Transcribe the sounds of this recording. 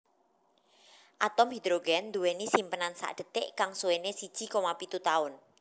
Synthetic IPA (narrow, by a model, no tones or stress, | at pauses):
ʔat̪ɔmhid̪ɾoɡɛnd̪uwenisimpənansa̰ʔd̥ə̤t̪ɪʔkaŋsuwenesid̥ʒ̥i̤komapit̪ut̪aʊn